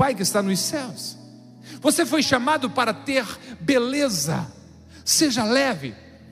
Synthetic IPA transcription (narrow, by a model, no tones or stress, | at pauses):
ajkɪst̪anʊsɛws | vosefojʃamad̪ʊpaɾɐt̪eɾbelezɐ̰ | seʒɐlɛvɪ̰